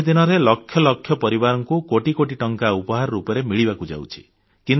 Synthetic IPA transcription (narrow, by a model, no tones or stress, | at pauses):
d̪inɔɾelɔkʰjɔlɔkʰːjɔpɔɾibaɾɔŋkukoʈikoʈiʈɔŋkaupɔɦaɾɔɾupɔɾemiɭiβakud͡ʒa̰wt͡ʃʰi̥̰ | kin